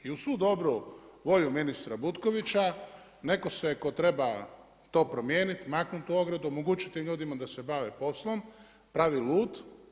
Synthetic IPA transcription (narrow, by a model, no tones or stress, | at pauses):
iusʋuːd̪o̞bɾuʋo̞ʎuminist̪ɾabut̪ko̞ʋit͡ɕa | ne̞ko̞se̞ko̞t̪ɾe̞ba | t̪o̞ːpɾo̞mje̞ːnit̪imaknut̪uo̞ɡɾed̪uomoɡut͡ʃi̥t̪imʎuːd̪imad̪ase̞baʋepo̞slˠo̞m | pɾaʋilˠuːt̪